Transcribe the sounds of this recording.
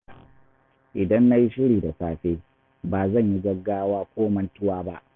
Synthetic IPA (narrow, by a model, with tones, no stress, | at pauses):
ʔɪ˨dɐ˦nːa˦ji˦ʃɪ˦ɽiː˨da˨saː˦˨ɸeː˦ | baː˨zɐ˦˨ɲji˦ɡɐ˦ɡːaː˦waː˦kʷoː˦mɐ˦ntʊ˦waː˦ba˦ʔ